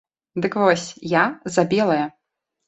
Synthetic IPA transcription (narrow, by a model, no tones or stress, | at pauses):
d̪ɨkvɔsʲjazɐbʲɛlˠɐjɐ